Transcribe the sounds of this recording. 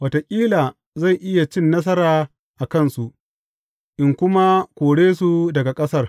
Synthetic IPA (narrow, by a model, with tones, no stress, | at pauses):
wɐ˨to˨kʲʼiː˦laː˨ | za˦˨jʔɪ˦ja˨t͡ʃɪ˦nːɐ˦s̬ɐ˦ɾaː˨ | ʔa˨kɐ˦˨nsu˨ʔ | ʔɪ˨ŋkʷʊ˦ma˦kʷoː˨ɽeː˦su˨dɐ˨ɡa˨kʼɐ˦sɐ˦r